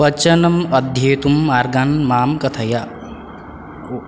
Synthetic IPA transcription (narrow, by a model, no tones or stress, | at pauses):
ɐt͡ʃɐnɐmɐd̪ʱjeːt̪umaːɾɡaːnmaːmkɐt̪ʰɐja